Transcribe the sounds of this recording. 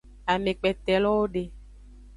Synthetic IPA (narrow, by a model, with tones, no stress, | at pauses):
a˨me˨k͡pɛ˨t̪ɛ˨lɔ˦wo˦ɖe˨